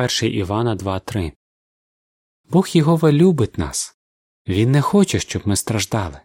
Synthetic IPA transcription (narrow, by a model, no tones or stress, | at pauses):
ɛrʃɛjʔiʋɑnɐd̪ʋɑt̪ɾɪ | bɔxjɔɦɔʋelʲubɪt̪ʲnɑ̰s | ʋʲinːɛxɔt͡ʃɛʃt͡ʃɔbmɪst̪ɾɐʒd̪ɑlˠɪ